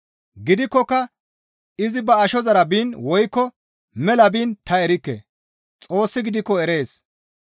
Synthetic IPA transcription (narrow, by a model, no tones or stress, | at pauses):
ɡɪd̪ɪkːɔkːɐ | ɪzɪbɐːʃɔzɐɾɐbiːnwɔjkːɔ | mɛlɐbiːnt̪ɐɛɾɪkːḛ | t͡sʼo̞ːsːɪɡɪd̪ɪkːɔɛɾe̞ːs